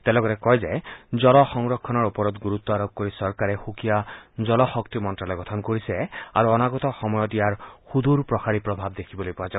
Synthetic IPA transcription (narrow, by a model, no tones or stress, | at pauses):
t̪ɛlɔɡɔɾekɔjd͡ʒed͡ʒɔlɔxɔŋɾɔkʰːɔnɔɾupɔɾɔt̪ɡuɾut̪ːɔaɾɔb̚koɾisɔɾkaɾexukijad͡ʒɔlɔxɔkt̪imɔntɾalɔjɡɔt̪ʰɔnkoɾiseaɾuɔnaɡɔt̪ɔxɔmɔjɔt̪̬ijaɾhud̪ʱuɾpɾɔkaɾipɾɔbʱab̚d̪ekʰibɔlojpɔad͡ʒa